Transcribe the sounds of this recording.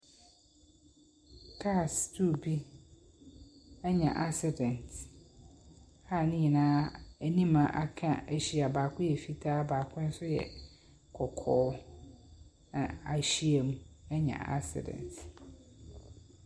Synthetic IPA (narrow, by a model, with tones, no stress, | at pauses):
tʰa˦˨stʰu˦˨bi˦ | ɛ˦ɲã̰˨ʔa˦sɪ˨dɛ̃˨nt | ha˦˨nɪ̃˦ɲi˨nãː˦æ˨nĩ˦mã˨ʔa˦kʰã̰˦˨ʔæ˨ɕi˨a˨baː˨kʰʊ̃˦jɛ˨fi˦tʰaː˦baː˨kʰʊ̃˦n̩˦sʊ˦jɛ̰˨ | kʰɔ˨kʰɔː˨˦ | nã̰˨a˨ɕi˦e˨mũ˨ɛ˦ɲã̰˨a̰˦sɪ̰˨dɛ̰̃˨nt